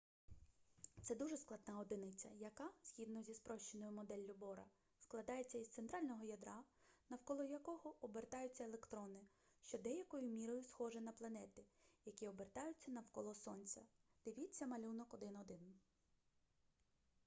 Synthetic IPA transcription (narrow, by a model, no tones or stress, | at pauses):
t̪sɛd̪uʒɛsklˠɐd̪nɑɔd̪ɪnɪt͡sʲːɐjɐkɑsʲxʲid̪nɔzʲispɾɔʃt͡ʃenɔjʊmɔd̪ɛlʲːʊbɔɾɐ̰ | sklˠɐd̪ɑjet͡sʲːɐizt̪ent̪ɾɑlʲnɔɦɔjɐd̪ɾɑnɐwkɔlˠɔjɐkɔɦɔʔːbert̪ɑjʊt͡sʲːɐelˠekt̪ɾɔnɪ | ʃt͡ʃɔd̪ɛjɐkɔjʊmʲiɾɔjʊsxɔʒɛnɐplˠɐnɛt̪ɪjɐkʲiɔbert̪ɑjʊt͡sʲːɐnɐwkɔlˠɔsɔnʲt͡sʲɐd̪̥ɪʋʲit͡sʲːɐmɐlʲunɔkɔd̪ɪnɔd̪ɪn